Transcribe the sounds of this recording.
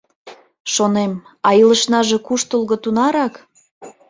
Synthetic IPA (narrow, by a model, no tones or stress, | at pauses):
ʃonem | ɑiləʃnɑʒekuʃt̪əlɣŏt̪unɑɾɑk